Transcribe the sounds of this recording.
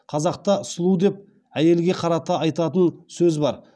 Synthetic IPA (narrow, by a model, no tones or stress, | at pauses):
qʰɑzɑqt̪ɑʊsəlˠud̪e̞p̚ | æje̞lɡʲe̞qʰɑɾɑt̪ɑɑjt̪ɑt̪ənsɵzbɑɾ